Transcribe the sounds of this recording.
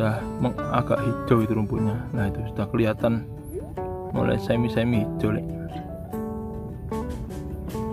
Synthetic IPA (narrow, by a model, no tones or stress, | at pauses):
ahməŋa̰ɡ̥a̰ʔhi̥ʒ̥ɔ̤wit̪uɾumpuʔɲalahit̪usu̥t̪ahkəlijat̪an | mo̰lɛ̰samisamiɦid̥ʒ̥ɔ̤lḛʔ